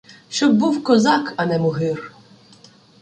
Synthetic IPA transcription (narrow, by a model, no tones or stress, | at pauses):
ʃt͡ʃɔb̚ːuwkɔzɑkɐnɛmʊɦɪr